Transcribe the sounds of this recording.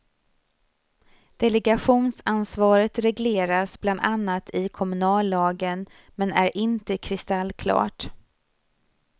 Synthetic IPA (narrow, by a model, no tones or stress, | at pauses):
d̪̥ɛlɛɡaɧuːnsansvɑːɾət̪ɾɛɡleːɾasbland̪anːat̪ʰɪkʰɔmɵnɑːlːɑːɡən | mɛnæɾʔɪnt̪əkʰɾɪst̪alːkʰlɑ̰ːʈ